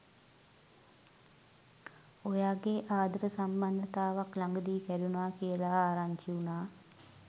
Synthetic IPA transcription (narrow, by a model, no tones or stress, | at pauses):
ojaːɡeʔaːd̪ɾəsamband̪ʱət̪aːʋaklaŋɡəd̪iːkɛɾunaːkijəlaaːɾaɲt͡ʃiunaː